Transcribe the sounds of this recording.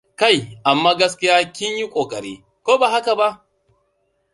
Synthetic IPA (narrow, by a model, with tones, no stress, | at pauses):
ka˦˨jʔa˨mːaː˦ɡɐ˦s̬kʲɪ˦jaː˦kʲɪ˦ɲji˦kʷʼoː˨kʼɐ˨ɾḭː˦ | kʷoː˦baː˨ha˦ka˨ba˦ʔ